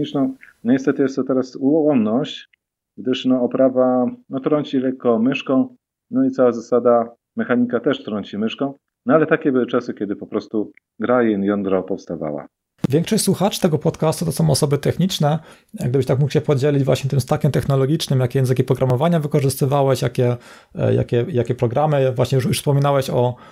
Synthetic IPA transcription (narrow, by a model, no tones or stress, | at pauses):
ɲit͡ʂnɔ̃w̃nɔɲɛst̪ɛt̪ɘjɛst̪ːɔt̪ɛɾasuwɔɔnnɔɕt͡ɕ | ɡd̪ɘʂnɔɔpɾavanɔt̪ɾɔɲt͡ɕilɛkːɔmɘʂkɔ̃w̃ | nɔit̪sawazasad̪a | mɛxaɲikat̪ɛʂt̪ɾɔɲt͡ɕimɘʂkɔ̃w̃ | nɔalɛt̪akʲɛbɘwɘt͡ʂasɘkʲɛd̪ɘpɔpɾɔst̪u | ɡɾajinjɔnd̪ɾɔpɔfst̪ava̰wa̰ | vʲjɛ̃ŋkʂɔɕt͡ɕʲswuxat͡ʂt̪ɛɡɔpɔt̪kast̪ut̪ɔsɔ̃w̃ɔsɔbɘt̪ɛxɲit͡ʂnɛ | ɡd̪ɘbɘɕt̪ak̚mukwɕɛpɔd͡ʑɛlʲid͡ʑvwa̰ɕɲɛt̪ɘmst̪akʲɛmt̪ɛxnɔlɔɡʲit͡ʂnɘmjakʲɛjɛ̃nzɘkʲipɾɔɡɾamɔvaɲavɘkɔʐɘst̪ɘvawɛɕjakʲɛ̰ | ja̰kʲɛjakʲɛpɾɔɡɾamɘvwaɕɲɛjujufspɔmʲinawɛɕɔ